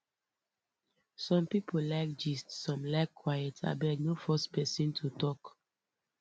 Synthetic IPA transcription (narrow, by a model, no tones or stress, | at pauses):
sɔ̃mpipʰolaɪk̚d͡ʒistsɔ̃mlaɪkʰːwajɛtʰa̰bɛdnofɔspɛsĩntʰutɔk